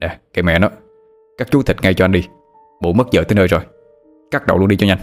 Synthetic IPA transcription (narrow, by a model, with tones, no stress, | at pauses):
ɗɛ˨˩ka˧˩˦mɛ̰˧˨nɔ˨˦ | kaː˦˥k̚t͡ɕu˨˦t̪ʰi˨˩k̟ŋa˧jt͡ɕɔ˧ʔa˧nɗi˧ | ɓo̰˧˨˦mə˦˥t̚zə̰ː˧˨t̪əː˨˦jnəː˧jzo˨˩j | kaː˦˥k̚ɗə̰˨wlu˧nɗi˧t͡ɕɔ˧ɲa˧jŋ